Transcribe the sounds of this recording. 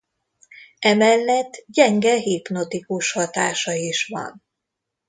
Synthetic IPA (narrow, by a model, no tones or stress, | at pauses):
ɛmɛlːɛt̪ːɟɛŋɡɛɦiːpno̞t̪ikuʃhɒt̪aːʃɒiʃʋɒ̰n